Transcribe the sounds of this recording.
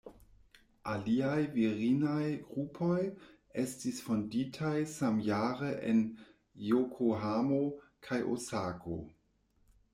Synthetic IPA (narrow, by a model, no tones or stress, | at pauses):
aliajviʁinajɡɾupʰo̞j | estisfonditʰajsamjaːɾeʔḛn | jokʰoɦamo | kʰajʔo̰sakʰo̰